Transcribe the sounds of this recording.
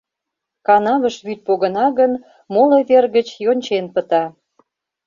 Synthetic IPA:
kɑnɑβə̆ʃβyt̪̚poɣə̆nɑɣən | moleβerɣət͡ɕjonʲt͡ɕenpə̆t̪ɑ

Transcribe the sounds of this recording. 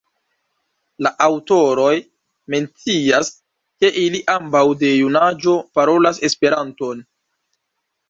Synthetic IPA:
laʔawto̞ɾo̞j | me̞nt͡sias | ke̞ʔiliʔambawde̞junad͡ʒo̞paɾo̞lase̞spe̞ɾanto̞n

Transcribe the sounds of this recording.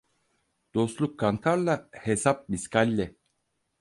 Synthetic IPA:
d̪̥o̞slˠukʰːant̪ʰaɾlˠahesap̚miskʰalʲːɛ

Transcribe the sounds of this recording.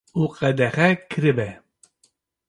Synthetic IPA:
uqʼɛd̪ɛχɛkʰɨɾɨbɛ

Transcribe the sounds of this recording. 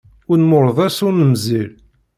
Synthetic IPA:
ʊɾnmʊɾˤəðˤæsʊnəmzil

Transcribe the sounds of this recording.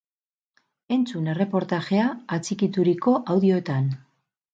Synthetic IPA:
e̞nt͡sune̞re̞po̞ɾt̪aʝe̞aːt͡sikit̪uɾiko̞ʔawðio̞et̪an

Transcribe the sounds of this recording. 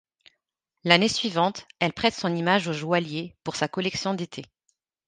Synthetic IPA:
lanesɥivɑ̃t̪ɛlpχɛt̪sɔ̃nimaʒoʒwaljepuʁsakɔlɛksjɔ̃d̪et̪ʰe

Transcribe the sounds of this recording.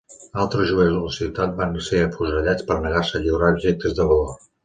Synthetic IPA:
alˠt̪ɾəʒuewld̪ələsiwt̪at̪̚banseəfuʒəʎat͡spəɾnəɣarsəʎiwɾaubʒek̚t̪əzd̪əβəlor

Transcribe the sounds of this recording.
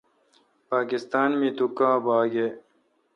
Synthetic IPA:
paːkist̪aːnmĩt̪ukãːbaːɡe

